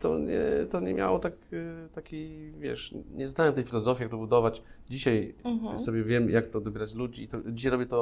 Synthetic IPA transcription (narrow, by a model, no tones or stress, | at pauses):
t̪ɔ̰ɲɛ̰t̪ɔɲɛmʲja̰wɔt̪akt̪akʲivʲjɛ̰ʂɲɛznawɛmt̪ɛjfʲilɔzɔfʲjijak̚t̪ɔbud̪ɔvat͡ɕd͡ʑiɕaja̰sɔbʲjɛvʲjɛmjʔak̚t̪ɔd̪ɔbʲjɛɾat͡ɕlud͡ʑiːt̪ɔd͡ʑiɕ̬ajɾɔbjɛt̪ɔ